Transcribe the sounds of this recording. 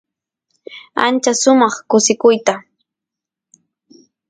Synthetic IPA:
a̰nt͡ʃasʊmɑχkʊsɪkʊjt̪a

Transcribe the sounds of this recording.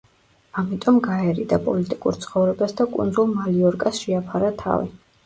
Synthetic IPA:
amit̪ʼɔmɡaɛɾid̪apʼɔlit̪ʼikʼṵɾt̪sʰχɔvɾɛbasd̪akʼṵnd̪zulˠmaliɔɾkʼasʃɛapʰaɾat̪ʰa̰vḭ

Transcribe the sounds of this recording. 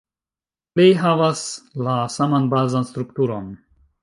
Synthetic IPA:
lejɦavaslasamanbaːzanst̪ɾukt̪uɾon

